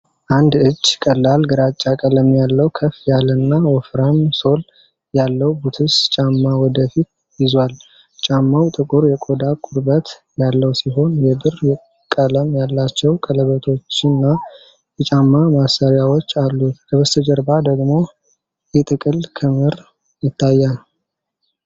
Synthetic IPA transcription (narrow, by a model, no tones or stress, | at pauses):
ʔand̪ɨd͡ʒːkʼəlːalɡɨɾat͡ʃʼːakʼələmjalːəwkʰəfjalɨnːawɔfɾanso̞l | jalːəwbut̪ʰɨst͡ʃʼamːawɔd̪əfit̪̚ | jɪzwal | t͡ʃʼamːawt̪ʼɨkʼuɾjɛkʼo̞d̪akʼʊɾbət̪ | jalːəwsiɦo̞njɛbɨrjɛ | kʼələmjalːat͡ʃːɛwkʼələβət̪ʰo̞t͡ʃːɨnːa | jɛt͡ʃʼamːamasəɾjawot͡ʃːalːukʰəbəst̪ʰəd͡ʒəɾbad̪əɡmo̞ | jɛt̪ʼɨkʼɨlkʰɨmɨɾ | jɪt̪ʰːajːal